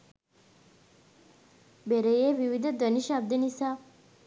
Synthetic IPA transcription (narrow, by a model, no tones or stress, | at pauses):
beɾejeːʋiʋid̪əd̪əniʃaːb̚d̪enisaː